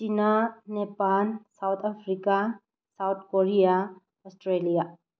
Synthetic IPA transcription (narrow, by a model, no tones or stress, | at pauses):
t͡ʃinanepalsawt̪ʰapʰɾika | sawt̪̚ʰkoɾija | ɔsʈɾelija